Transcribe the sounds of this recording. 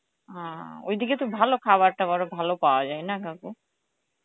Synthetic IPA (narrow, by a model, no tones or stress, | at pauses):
ɦão̰jd̪iket̪obʱalokʰabaɾʈabɔɾobʱalopaoad͡ʑajnakaku